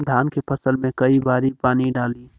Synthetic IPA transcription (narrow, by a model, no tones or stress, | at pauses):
d̪ʱaːnkepʰəsəlmẽkɐibaːɾipaːniɖaːli